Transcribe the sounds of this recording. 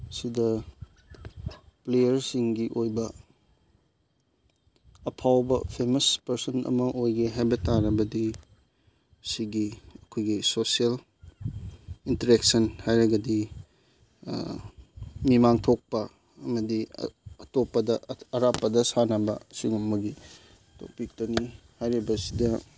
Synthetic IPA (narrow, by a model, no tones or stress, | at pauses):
sidɐ | plejɐɾsiŋɡiʔojbɐ | ɐpʰawbɐpʰemɐspɐɾsɐnʔɐ̰mɐʔojɡeɦajbɐtaɾɐbɐdi | siɡiɐkʰojɡisosiel | intɐɾek̚sɐnhajɾɐɡɐdi | mimaŋtʰok̚pɐ | ɐmɐdiɐtopːɐdɐɐɾapːɐdɐsanɐbɐ̰siɡumːɐɡi | to̰k̚pik̚toni | hajɾibɐsidɐ